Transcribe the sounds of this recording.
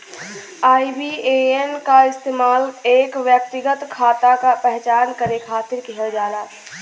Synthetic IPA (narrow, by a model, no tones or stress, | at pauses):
aːibieenkaɪst̪eːmaːleːkʋjək̚t̪ɪɡət̪kʰaːt̪akapɛɦt͡ʃaːnkəɾekʰaːt̪ɪɾkiɦad͡ʒaːlaː